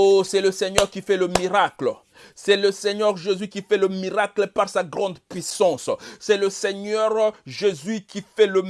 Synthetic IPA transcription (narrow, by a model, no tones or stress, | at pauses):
osɛləsɛɲœʁkifɛləmiʁaklə | sɛləsɛɲœʁʒezɥikifɛləmiʁaklepaʁsaɡʁɑ̃d̪pɥisɑ̃ssɛləsɛɲœʁʒezɥikifɛlə